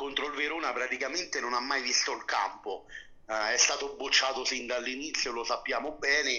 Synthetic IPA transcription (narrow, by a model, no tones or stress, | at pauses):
kont̪ɾoilveɾuːnapɾat̪ikament̪enonamːajvist̪olka̰mpo | ɛst̪aːt̪obːut͡ʃːaːt̪osind̪alːinit̪sːjolosapːjaːmobɛːne